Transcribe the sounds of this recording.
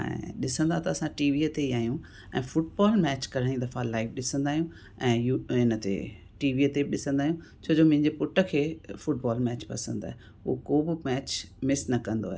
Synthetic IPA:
ɛ̰̃ɗɪsə̃nd̪at̪ɐɐsãʈiːʋiət̪eiaːɦijũ | ɛ̰̃ːfʊʈ̚bɔːlmɛːt͡ɕkɐɾəɽ̃id̪ɐfãlaːɪʋɗɪsə̃nd̪aːɦijũ | ɛ̃ːjuɪnət̪ḛ | ʈiːʋiət̪eɗɪsə̃nd̪aːɦijũ | t͡ɕʰoːd͡ʑomʊ̃ɦɪ̃ɲd͡ʑepʊʈə̆kʰeːfʊʈ̚baːlmɛːt͡ɕpɐ̰sə̃nd̪aːɦe | uokoːbɪmɛːt͡ɕmɪsnɐkɐ̃nd̪o̰aɦe

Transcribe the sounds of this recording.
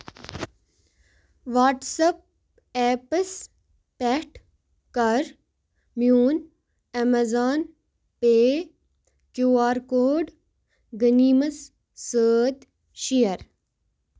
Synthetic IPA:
ʋaːʈsɐp̚ | eːpəs | pɛʈ | kɐɾ | mjuːn | ɐmɐzaːn | peː | kjuːaːɾkoːɖ | ɡəniːmɐsː | əːt̪ | ʃijɐɾ

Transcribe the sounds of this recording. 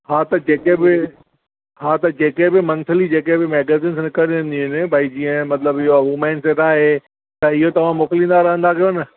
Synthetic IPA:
ɦaːt̪ɐd͡ʑeːkebɪ | ɦaːt̪ɐd͡ʑeːkebɪmɐ̃nt̪ʰəlid͡ʑeːkebɪmeːɡeːzĩːnsnɪkəɾ̃nd̪iʊnɪbʱaːid͡ʑiːə̃mɐt̪ləbɪɦoɐɦuːmɛ̃ːnset̪aːɦe | t̪ɐɪɦot̪ɐʋ̤ãmoːklĩːnd̪aɾɐɦə̃nd̪akʰijonɪ

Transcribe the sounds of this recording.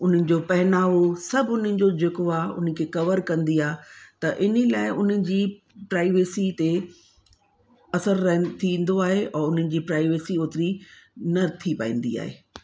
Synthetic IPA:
ʊn̤ənɪ̆d͡ʑopɐɦɪnaːʋosɐbʱʊnənɪ̆d͡ʑod͡ʑeːkoaːʊ̰n̤əkʰeːkɐʋəɾkɐ̃nd̪iaːɦt̪ɐʔɪnilaːɪʔʊn̤əɪ̆d͡ʑiː | pɾaːɪʋeːsit̪e | ɐsəɾːɐɦt̪ʰĩːn̆d̪oaːɦeʔɔːʊn̤ənɪ̆d͡ʑiːpɾaːɪʋeːsioːt̪ɪɾinɐt̪ʰipaːḭ̃ːn̆d̪ḭa̰ːɦḛː

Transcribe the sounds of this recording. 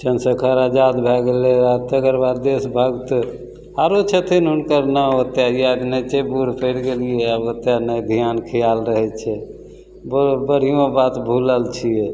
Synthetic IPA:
t͡ʃənsəkʰəɾad͡ʒad̪bʱɛɡeleat̪əɡəɾbaɾd̪esbʱəɡt̪ | aɾot͡ʃʰət̪ʰinɦunkəɾnəot̪jajad̪nɛt͡ʃebuɾ̤pʰeɽɡelijɛabot̪janəjd̪ʱijankʰijalɾəɦɛt͡ʃʰɛ | bbəɽ̤ijõbat̪bʱuləlt͡ʃʰijɛ

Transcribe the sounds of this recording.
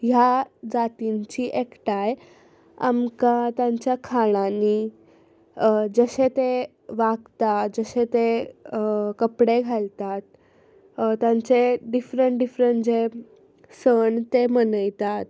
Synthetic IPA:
jad͡zat̪iɲt͡ɕiːʔekʈaj | a̰mkat̪jãɲt͡ɕjakʰaɽ̃ani | d͡zəɕet̪e | ʋaɡt̪ad͡zəɕet̪e | kəpɽeɡʱalt̪at̪̚ | t̪jãɲt͡seɖifɾəɳʈ̚ɖifɾəɳd͡ze | səɳt̪emənəjt̪at̪̚

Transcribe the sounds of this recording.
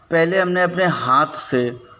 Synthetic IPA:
pɛɦleɦɐmneɐpneɦaːt̪ʰse

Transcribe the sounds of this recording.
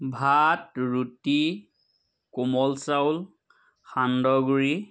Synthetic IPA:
bʱatɹuti | kumɔlsawl | xʰandɔɡuɹi

